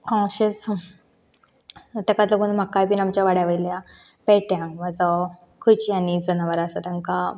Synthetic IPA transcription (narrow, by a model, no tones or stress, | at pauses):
ɔ̃ɕəs | t̪akat̪ləɡuːnm̤akajpiːnamt͡ɕaʋaɽjaʋəilja | pɛʈjãŋɡʋad͡zɔ | kʰut͡ɕianid͡zənaʋəɾasat̪aŋka